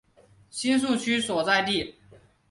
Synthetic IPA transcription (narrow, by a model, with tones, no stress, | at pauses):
ɕi˥ns̬u˥˩t͡ɕʰy˥swɔ˨˩t͡sa˥˧ɪt̪i˥˩